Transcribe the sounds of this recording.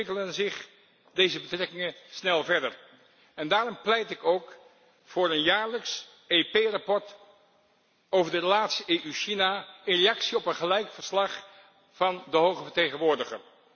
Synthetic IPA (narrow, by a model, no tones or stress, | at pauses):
ɪkələnzɪχ | dejzəbətrɛkɪŋənsnɛlˠvɛɹdə̰ɹ | ɛndaːrɔmplɛjtɪkowk | fʊːɾənjaːɹləks | epejrɑpɔɹt | owvəɹdərəlaːtsiʔeːʔyʃinaɪnrejɑksiɔpənχəlɛjkfəɹslɑχ | fɑndəɦowχəvəɹtejχənʋʊːɹdəχə̰